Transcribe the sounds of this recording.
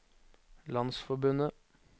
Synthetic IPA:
lɑnsfɔbʉnə

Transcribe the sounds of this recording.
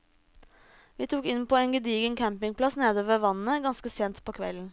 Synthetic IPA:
ʋiːt̪ʰuːkɪnpʰoːeːnɡəd̪iːɡəŋkʰæmpɪŋpʰlɑsneːd̪əʋəʋɑnnəɡɑnskəseːnt̪pʰoːkʰʋɛ̰ln̩

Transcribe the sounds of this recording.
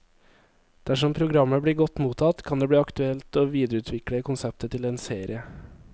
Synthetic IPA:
d̪̥æʂɔmpʰɾʊɡɾɑmːəbɽiːɾɡɔt̪muːt̪ʰɑt̪kʰɑnd̪eːbɽiːɑkt̪ʉɛlt̪oːʋiːd̪əɾəʉːt̪ʰʋɪkɽəkʊnsɛp̚t̪ət̪ʰɪleːnseːɾɪə

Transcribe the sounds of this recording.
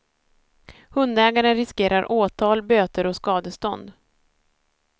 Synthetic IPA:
hɵnd̪ɛːɡaɾənɾɪskeːɾaɾʔoːt̪ʰɑːlbøːt̪əɾɔskɑːd̪əst̪ɔnd̪

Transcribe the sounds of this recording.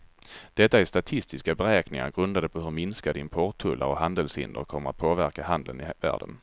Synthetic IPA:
d̪̥ɛt̪ːaæst̪at̪ʰɪst̪ɪskabɛɾɛːknɪŋa̰ɾɡɾɵnd̪ad̪əpʰɔhɵɾmɪnskad̪əɪmpʰɔʈ̪ʰːɵlːʔa̰ɾɔɦand̪əlshɪ̰nd̪ə̰ɾkʰɔmːəɾa̰t̪̚pʰoːvæɾkaɦand̪ənɪvæ̰ːɖə̰n

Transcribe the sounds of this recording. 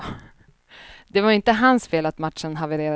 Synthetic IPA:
d̪ɛvaɾɪnt̪əɦansfeːlat̪mat̪ʂənɦavəɾeːɾa

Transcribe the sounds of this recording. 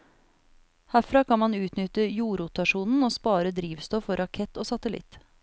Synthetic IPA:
hæfɾɑːkʰɑnmɑnʉːt̪nʏt̪əjuːɾʊt̪ɑʂuːnn̩oːspɑːɾəd̪ɾiːʋst̪ɔfɔɾɑkʰɛt̪ːoːsɑt̪əlɪ̰t̪

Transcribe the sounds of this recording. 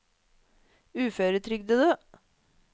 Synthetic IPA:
ʉːfœːɾət̪ʰɾʏɡd̪əd̪øː

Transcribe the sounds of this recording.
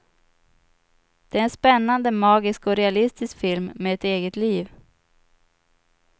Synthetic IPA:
d̪̥ɛæɾɛnspɛnːand̪əmɑːɡɪskɔɾɛalɪst̪ɪskfɪlmːeːɛt̪eːɡət̪liːv

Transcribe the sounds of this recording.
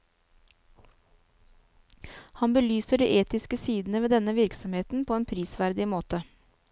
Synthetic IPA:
hɑnbəlyːsəɖḭːʔeːt̪ɪskəsiːd̪n̩əʋeːd̪ɛnəʋɪɾksɔmheːt̪n̩pʰoːeːnpʰɾiːsʋæɾd̪ɪmoːt̪ə

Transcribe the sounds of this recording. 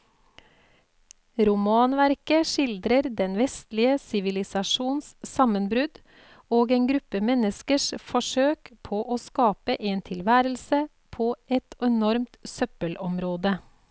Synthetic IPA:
ɾʊmɑːnʋæɾkəʃɪld̪ɾəɾd̪ɛnʋɛst̪lɪəsɪʋɪlɪsɑʃuːnssɑmənbɾʉd̪ | oːɡeːnɡɾʉpːəmɛnəskəʂfɔʂøːkpʰoːʔoːskɑːpəʔeːnt̪ʰɪlʋæːɾəlsə | pʰoːʔɛt̪ɛnɔɾmt̪sœpəlɔmɾoːd̪ə

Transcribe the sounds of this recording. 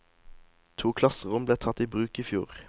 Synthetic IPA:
t̪ʰuːkʰlɑsəʁʊmbleːt̪ʰɑt̪iːbʁʉːkiːfjṵːʁ

